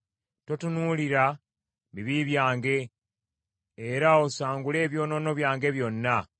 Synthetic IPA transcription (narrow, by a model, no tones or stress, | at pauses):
totunuliɾa | βiβiβjaːŋɡe̞ | ɾaosaːŋɡule̞ːβjo̞ːno̞no̞βjaːŋɡe̞βjo̞nːa